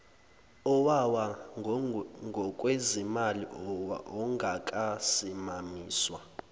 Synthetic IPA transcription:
ɔwawa | ŋɡʱɔkʼwezimaliʔɔwa̰ʔɔŋɡʱakʼasimamiːswa

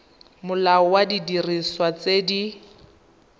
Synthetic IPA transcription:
mʊlaɔwadidiriswat͡sedi

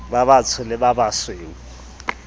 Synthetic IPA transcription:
baβat͡sʰʊlɪbabasweːŋ̩

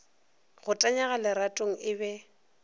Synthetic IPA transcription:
ɣʊtʼaɲaɣalɪɾatʼoŋ̩ɪbɛ

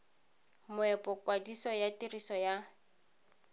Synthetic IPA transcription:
mʊɛpʼɔkwadisɔjatirisɔja

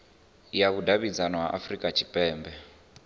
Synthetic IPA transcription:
jakudaβid͡zanɔɦa̰ʔafrikʼat͡ʃʰipʼɛːmbɛ

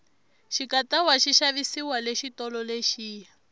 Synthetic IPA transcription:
ʃikatawaʃiʃaβisiwaleʃitɔlɔleʃiːja

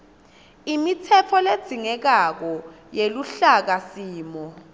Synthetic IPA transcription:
imitʰɛpʰɔled̥z̥ʱiŋɛk̬ak̬ɔ | jeluɬak̬asiːmɔ

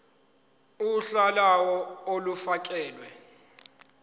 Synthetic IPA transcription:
uɬalawɔolufak̬ʼɛːlwɛ

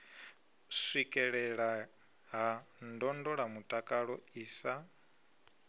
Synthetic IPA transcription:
swikʼɛɺɛɺa | ɦandɔndɔɺamutʼakʼaɺɔiːsa

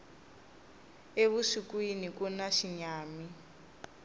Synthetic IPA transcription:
eβusikwinikunaʃiɲaːmi

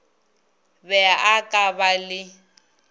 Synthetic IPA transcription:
bɛaʔakʼabalɪ

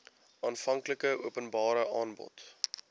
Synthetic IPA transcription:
ʔɑːnfɐŋkləkəuəpənbɑːɾəʔɑːnbɔ̰t

